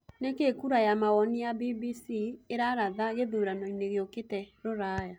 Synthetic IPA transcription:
nekekuɾajamawɔnijabibisieɾaɾaðaɣeðuɾanɔineɣeoketɛɾoɾaja

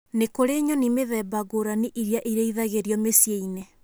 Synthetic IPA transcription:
nekoɾeɲɔnimeðɛbaɡoɾaniʔiɾiaʔiɾeiðaɣeɾiɔmesjeine

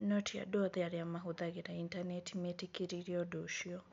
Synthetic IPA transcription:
nɔtʰia̰duɔðiaɾiamaɦuðaɣiɾaintanɛtʰimɛtikiɾiɾiɔdoʃiɔ

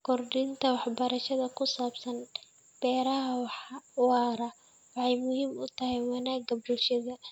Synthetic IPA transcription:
kʰɔrɖɪnt̪ʰɐwɑħbɐɾɐʃɐðɐkʰʊsaːbsɐn | b̥ɛːɾɐɦɐwɑːɾɐ | wɑħɑjmʊhiːmʊt̪ʰɐɦɛjwɐnaːɡɐbʊlʃɐðɐ

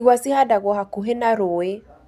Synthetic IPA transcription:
ɣwasihadaɣɔɦakuɦenaɾoe

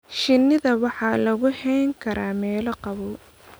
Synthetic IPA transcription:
ʃɪnːɪðɐwɑħɑːlɐɣʊhɛjŋkʰɐɾʔaːmɛːlɐqɑβɔ

